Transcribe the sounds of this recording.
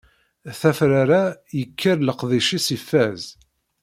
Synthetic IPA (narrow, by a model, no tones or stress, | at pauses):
θæfɾaɾajəkːəɾləqðˤiʃisifːæz